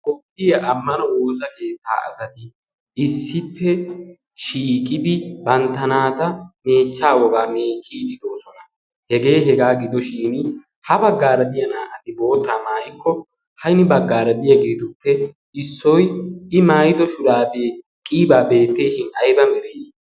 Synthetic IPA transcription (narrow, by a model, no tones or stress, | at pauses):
kʼɔpʼːɪjɐʔɐmːɐnɔoːs̬ɐke̞ːt̪ːa̰ːɐ̰sɐt̪ɪ | ʔɪsːɪpːɛ | ʃiːkʼɪd̪ɪbɐnt̪ːɐnaːt̪ɐme̞ːt͡ʃːaːwɔɡaːmeːt͡ʃʼːiːd̪ɪd̪o̞ːsɔnɐ | hɛɡe̞ːɦɛɡaːɡɪd̪ɔʃiːnɪ | hɐbɐɡːaːɾɐd̪ɪjɐnaːʔɐt̪ɪbo̞ːt̪ːaːmaːjɪkːɔ | hɐjnɪbɐɡːaːɾɐd̪ɪjɐɡeːt̪ʊpːɛ | ɪsːɔjɪmaːjɪd̪ɔʃʊɾaːbeː | kʼiːbaːbe̞ːt̪ːeːʃɪnɐjbɐmɛɾeː